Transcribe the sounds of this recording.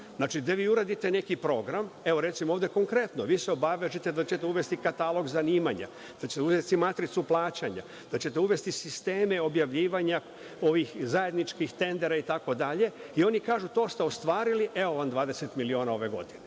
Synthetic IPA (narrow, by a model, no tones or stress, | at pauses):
znaːt͡ʃid̪aʋiːuɾad̪it̪e̞ne̞kipɾo̞ɡɾame̞ʋo̞ɾe̞t̪simooːʋd̪eko̞ŋkɾe̞t̪noʋiːseo̞baʋeʒit̪ed̪at͡ɕe̞t̪euʋe̞st̪ikat̪alˠo̞ɡzaniːmaɲa̰ | d̪̥at͡ɕet̪uzet̪imat̪ɾit̪suplˠaːt͡ɕaɲa̰ | d̪̥at͡ɕe̞t̪euʋe̞st̪isist̪e̞ːme̞o̞bjaʋʎiːʋaɲa | o̞ʋixzaje̞d̪nit͡ʃkixt̪e̞nd̪e̞ɾait̪ako̞d̪aʎe̞io̞nikaːʒut̪o̞ːst̪e̞ost̪ʋaːɾiliʔe̞oʋand̪ʋaːd̪e̞se̞t̪milio̞ːnao̞ʋe̞ɡo̞̰d̪ine